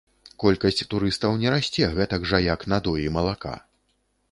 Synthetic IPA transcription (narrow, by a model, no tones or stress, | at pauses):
kɔlʲkɐsʲt͡sʲt̪uɾɨst̪ɐwnʲɛɾasʲt͡sʲɛɣɛt̪ɐɡʐɐjaknad̪ɔjimɐlˠaka̰